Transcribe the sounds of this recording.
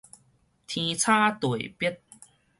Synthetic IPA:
t̪ʰĩ˧t͡sʰa˥t̪u˨˩e˨pi˦˥t̚

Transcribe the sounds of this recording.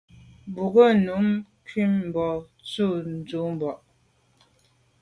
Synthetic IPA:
bu˨ɣə˦˨nu˨˦m | kɥi˦˨mm̩˨bɔ˨ | t͡su˦˨n̩˨d͡zu˨˦m̩˨bɔ˨ʔ

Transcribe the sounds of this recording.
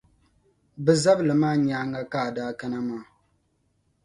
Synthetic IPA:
bɨ˨za˦blɨ˨maː˦ɲaː˦ŋa˦ka˦˨daː˦ka˦na˦maː˦˨

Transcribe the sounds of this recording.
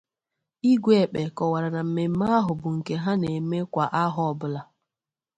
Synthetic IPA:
i˦ɡʷe˨k͡pe˨kɔ˨wa˨ɾa˨na˨m̩˨me˨m̩˦ma˦ɦʊ˨bʊ˨ŋ̩˨ke˨ɦa˦ne˨me˦kʷa˨ʔa˦ɦɔ˨bʊ˦la˨

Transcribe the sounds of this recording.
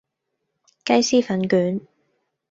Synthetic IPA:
kɐ˥jsiː˥fɐ˨˥nkyː˨˥n

